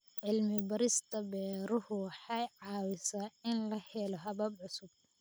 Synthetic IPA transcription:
ʕɪlmɪbɐɾɪst̪ʰɐbɛːɾʊhʊħɑjʕɑːwɪsaɪnlɐhɛlɔɦɐβɐbʕʊsʊb̥̚

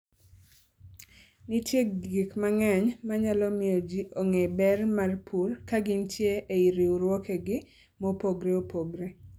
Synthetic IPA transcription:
nitjeɡɡikmaŋɛɲmaɲalɔmɪod͡ʒiʔoŋebɛrmarpʰulkaɡɪntʰjeeiɾiuɾwɔkeɡɪ | mopoɡɾeopoɡɾe

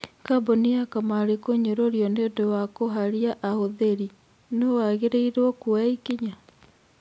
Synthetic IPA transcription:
kaboniakamaɾekoɲoɾoɾjɔnedowakoɦaɾjaʔahoðeɾi | nowaɣeɾeiɾwɔkuaikiɲa

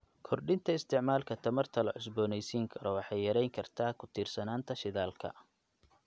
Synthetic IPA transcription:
kʰɔrɖɪnt̪ʰɐɪst̪ʰɪʕmaːlkʰɐt̪ʰɐmɐrt̪ʰɐlɐʕʊsbɔːnɛjsiːŋkʰɐɾɔwɑħɑjːɐɾɛjŋkʰɐrt̪ʰaːkʰʊt̪ʰiːrsɐnaːnt̪ʰɐʃɪðaːlkʰɐ̰

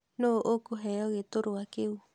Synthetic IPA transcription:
noʔokoɦɛɔɣetoɾoakeu

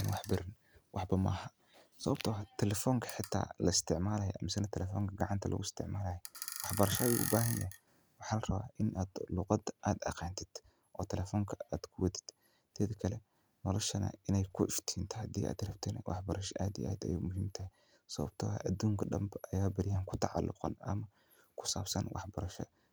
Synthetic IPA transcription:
anwɑħbɪɾɪn | wʔɑħbɐmɐ̰hɐ | sɐβɐbt̪ʰɐwɐt̪ʰɛlɛfɔːŋkʰɐ̥ħɪt̪ʰːa̰ːlɐɪst̪ʰɪʕmaːlɐːjɔ̰ʔɐ̰mɪsɐnɐt̪ʰɛlɛfɔːŋkʰɐɡɑʕɑnt̪ʰɐlɐ̰ɣʊɪst̪ʰɪ̰ʕmaːlɐjɐwɑħbɐɾɐʃɐuʔʊ̰baːɦɐnjɐɛ | wɑħaːlrɐβa̰ːʔɪnʔaːd̪̥lʊqɑd̪ʔaːd̪ɐqɑːnt̪ʰɪd̪̥ | ʔɔːt̪ʰɛlɛːfɔːŋkʰɐaːd̪̥kʰʊwɐd̪ɪ̥d̪̥ | t̪ʰɛːðɐkʰɐlɛ | nɔlɔʃɐnɐ̰ɪnɛjkʰʊɪʃt̪ʰiːnt̪ʰɐhɐd̪iːʔa̰ːd̪ɾɐbt̪ʰɛnɐ̰wʔɑħbɐɾɐʃɐʔaːd̪ḭʔa̰ːd̪ɐ̰jeːmʊɦɪmt̪ʰɐɦɛ | sɐβɐ̰b̥̚t̪ʰɔɐ̰ʔɐd̪uːŋkʰɐɗɐmbʔɐjaːbɐɾɪjaːŋkʰʊ̥t̪ʰɑʕɑ̰lːʊ̰qɑ̰nʔɐ̰mɐ | kʰʊ̥saːbsɐ̰nwʔɑ̰ħbɐɾɐʃɔ̰

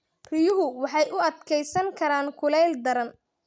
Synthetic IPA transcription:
rɪjʊɦʊwɑħɑjʊɐd̪kʰɛjsɐŋkʰɐɾaːŋkʰʊlɛld̪ɐɾɐn

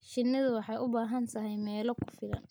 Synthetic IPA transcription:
ʃɪnːɪðʊwɑħɑjʔʊbaːɦɐnt̪ʰɐɦɛjmɛːlɔkʰʊ̥fɪlɐ̰n

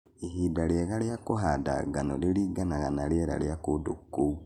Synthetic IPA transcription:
iɦidaljɛɣaljakoɦada̰ɡanoleliːɡanaɣanaljeɾa̰ljakodokːou

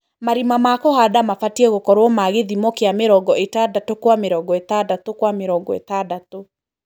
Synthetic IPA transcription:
maɾimamakɔhadamafatiɛɣokɔɾwɔmaɣeðimɔkeameɾɔɡɔʔetadatokwameɾɔɡɔetadatokwameɾɔːɡɔḛtadato

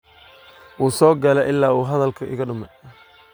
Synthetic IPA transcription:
wuːsɔːɡɐlɛʔɪlːaːuːɦɐðɐlkʰɐʔɪ̰ɣɐɖʊmɛj

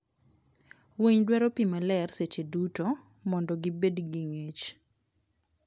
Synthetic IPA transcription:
weɲdwɛɾɔpimalɛrset͡ʃeduto | mɔndɔɡɪbedɡiŋet͡ʃ

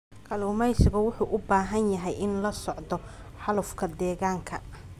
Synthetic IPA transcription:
kʰɐluːmɛjsɪɣʊwʊħuːʔʊbaːɦɐnjɐɦɛjɪnlɐsɔʕd̪ɔ | ħɑlʊfkʰɐd̪ɛːɣaːŋkʰɐ̰

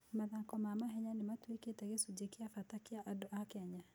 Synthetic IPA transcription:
maðakɔmamaɦɛɲanematweketɛɣesud͡ʒekiafatakeaʔadɔʔakɛɲa

